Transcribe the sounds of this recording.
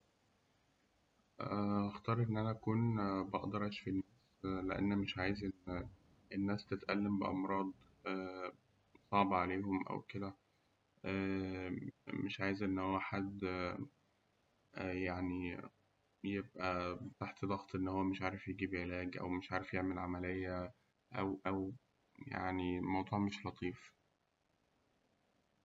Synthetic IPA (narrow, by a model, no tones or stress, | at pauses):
ʔæʔɑxt̪ɑːɾˤʔenːʔænæʔækuːnbɑʔd̪ɑɾˤʔeʃfinːæːsleʔæ̰nːmeʃʕaːjezʔenː | ʔenːæːst̪et̪ʔælːembeʔɑ̰mɾˤɑːd̪ˤ | æː | sˤɑʕbʕaleːɦomʔæ̰wked̪æ | ʔæː | meʃʕaːjezʔenːhowːæħad̪ | ʔæjaʕni | jebʔæt̪aħt̪d̪ˤɑɣt̪ˤʔenːhowːæmeʃʕaːɾefjeɡiːbʕelæːɡʔæ̰wmeʃʕaːɾefjeʕmelʕamælejːæ | ʔæwʔæw | ja̰ʕnimɑwd̪ˤuːʕmeʃlɑt̪ˤiːf